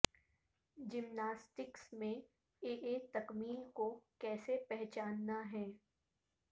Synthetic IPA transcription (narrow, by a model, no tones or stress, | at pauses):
d͡ʒɪmnaːsʈɪksmẽ | eːʔeːt̪ɐkmiːlkokɛːsepɛɦt͡ʃaːnːaɦɛː